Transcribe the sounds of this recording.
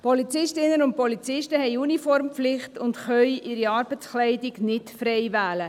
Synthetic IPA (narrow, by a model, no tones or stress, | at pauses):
pʰɔlit͡sɪʃtɪnənʊnt̚pɔlit͡sɪʃtəhɛɪunifɔɾmpflɪχtʊndχœʏʔɪɾiɑːɾb̥ət͡sklɛɪdɪɡnɪtfɾɛɪvæːlə